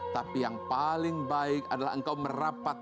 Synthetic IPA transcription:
t̪apijaŋpalɪŋbaɪkadala̰ɦəŋkawmərapat̪̚

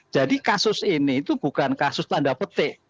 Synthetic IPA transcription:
d͡ʒ̥a̤dikasʊsiniːt̪ub̥ṳkankasʊst̪anɖapət̪ɪʔ

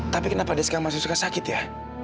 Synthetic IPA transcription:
t̪apikənapadɛskamas̬usukasakɪt̪ja

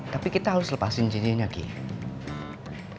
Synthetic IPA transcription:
t̪apikit̪aɦaɾʊsləpasɪnt͡ʃiniɲaɡḭ

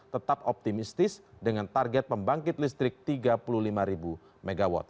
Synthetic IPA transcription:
t̪ət̪ap̚ɔp̚t̪imist̪ɪsdəŋant̪arɡɛt̪̚pəmbaŋkɪt̪̚list̪ɾɪk̚t̪iɡapuluhlimaɾibu | meɡawɔ̰t̪̚

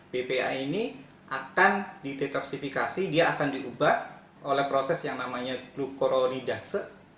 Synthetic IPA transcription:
b̥epea̰ini | ʔakandidet̪ɔksifikasidiaakandiʔubah | ʔolɛhpɾosɛsjaŋnamaɲaɡ̥lukoɾonidasə

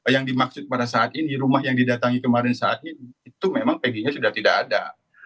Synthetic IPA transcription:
jaŋdimaksʊt̪̚padasaat̪iniɾumahjaŋdidat̪aŋikəmaɾɛnsaat̪̚iniːt̪umemaŋpəɡiɲasudaht̪idaa̰da̰

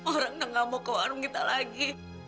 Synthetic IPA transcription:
oɾaŋnaŋamokawaɾuŋɡit̪alaɡi

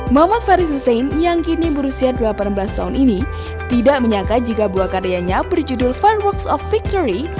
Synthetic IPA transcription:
mamat̪̚faɾit̪husejnjaŋkinibəɾusiadulapanmbəlast̪aɦunini | t̪idaʔməɲakad͡ʒikabuakaɾeaɲabərd͡ʒudʊlfarwɔksɔfːik̚t̪ɔɾi

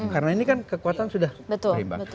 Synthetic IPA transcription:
kaɾənainikankəkuat̪ansudahbət̪ʊɾimba̰

